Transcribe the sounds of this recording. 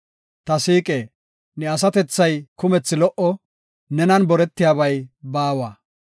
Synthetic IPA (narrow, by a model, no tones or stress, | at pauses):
t̪ɐsiːkʼeː | nɛɐs̬ɐt̪ɛt͡sːɐjkʊmɛt͡sːɪlɔʔɔ | nɛnɐnbɔɾɛt̪ːɪjaːβɐjbaːwaː